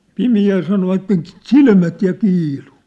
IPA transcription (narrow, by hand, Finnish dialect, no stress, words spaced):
pimiæl sɑnoʋɑtːen t̆silmæt jɑ kiːlu